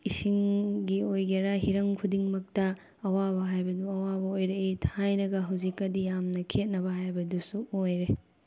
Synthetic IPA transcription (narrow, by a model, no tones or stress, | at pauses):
isiŋɡiojɡeɾaɦiɾɐŋkʰudiŋmɐk̚tɐː | wabɐɦajbɐduɐwabɐojɾeetʰajnɐɡɐɦɐwzikːɐdijamnɐkʰet̚nɐbɐɦajbɐdusuojɾe